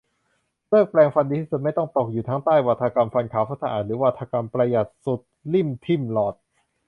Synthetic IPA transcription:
lɤː˥˩k̚plɛː˧ŋfa˧ndiː˧t̪ʰiː˥˩su˨˩t̪̚m˥˩jt̪ɔ˥˩ŋt̪o˨˩k̚juː˨˩t̪ʰaː˦˥ŋt̪aː˥˩jwa˨˩t̪ʰːka˧mfa˧nkʰaː˩˦wpʰa˦˥t̪ʰːa˧ʔaː˨˩t̪̚ɾɯː˩˦wa˧t̪ʰːa˧ka˧mpɾa˧ja˨˩t̪̚su˨˩t̪̚li˥˩mt̪ʰi˥˩mlɔː˨˩t̪̚

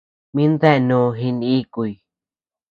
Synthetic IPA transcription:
mĩ˦nd̪e˦˧nũ˧ɦi˧ni˦ku˧˨i˨

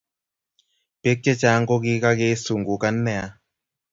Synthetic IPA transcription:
pe˦kːe˦t͡ʃa˨˦ŋɡo˦ki˦ka˦ke˦su˨ŋɡu˨ka˦nːɛ˦˨a˨˦

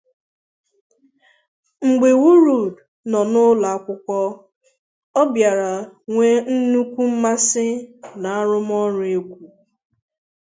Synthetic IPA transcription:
ŋ͡m̩˨ɡ͡be˨wu˦ɾu˨d | nɔ˨nʊ˦la˨a˦kʷʊ˦kʷɔ˦ | ɔ˦bja˨ɾa˨ŋʷe˦n̩˦nu˦kʷu˦m̩˦ma˦sɪ˦na˨a˦ɾʊ˦m˦ɔ˦ɾe˦kʷu˨

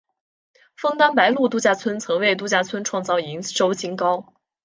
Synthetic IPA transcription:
fɤ˥˩ŋt̪a˥npa˧˥ɪlu˥˧t̪̬u˥˧t͡ɕja˥˩t͡sʰwə˥nt͡sʰɤ˧˥ŋwe˥˧ɪt̪̬u˥˩t͡ɕja˥˩t͡sʰwə˥nʈ͡ʂʰwɑ˥˧ŋt͡sɑ˥˩ʊi˧˥ŋʂo˥ʊt͡ɕi˥ŋkɑ˥ʊ

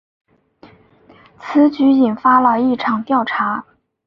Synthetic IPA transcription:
t͡sʰɹ̩˧˥t͡ɕy˧˥i˨˩nfa˥lə˧i˥˩ʈ͡ʂʰɑ˨˩ŋt̪jɑ˥˩ʊʈ͡ʂʰa˧˥

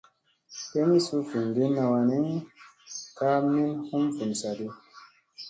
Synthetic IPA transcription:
te˦mi˦su˦fu˨m˨ɡe˦na˧wa˨ne˦ŋ˦ | ka˦mi˦nhu˦mfu˨n˨sa˨de˦

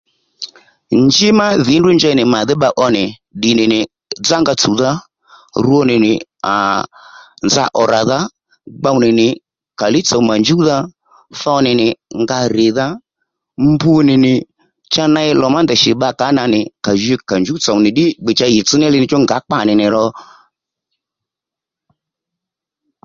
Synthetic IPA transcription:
nd͡ʒɪ˦ma˦ðɪ˨˦ndʊ˦nd͡ʒɛ˧˦nɪ˨ma˨ðɪ˦ɓa˧ʔɔ˧nɪ˨ | ɗɪ˨nɪ˨nɪ˨ | d͡za˦ŋɡa˧t͡su˨ða˦ | ɾu˦ɔ˦nɪ˨nɪ˨a̰˨ | nza̰˧˦ʔɔ˨ɾa˨ða˦ | ɡ͡ba˧wu˦nɪ˨nɪ˨ | ka˨lɪ˦t͡sa˨˦ma˨ɲd͡ʒu˦ða˦ | fɔ˧nɪ˨nɪ˨ŋɡa˧ɾɪ˨ða˦ | mbu˦nɪ˨nɪ˨ | t͡ʃa˦na˧ɛ˧lɔ˨ma˦nd̪ɛ˨ʃɪ˨ɓa˧ka˨˦na˧nɪ˨ka˨ʒɛ˧ka˨nd͡ʒu˦t͡sa˨wnɪ˨ɗɪ˦ɡ͡be˨t͡ʃa˧jɪ˨t͡sɨ˦nɛ˦lɪ˧nɪ˨t͡ʃɔ˦ŋɡa˨˦k͡pa˨nɪ˨nɪ˨ɾɔ˧

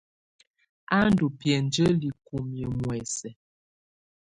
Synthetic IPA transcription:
a˦n˦du˨pjɛ˨n̩˨˦d͡ʒə˦li˨ku˨mjə˨mwɛ˨sɛ˨

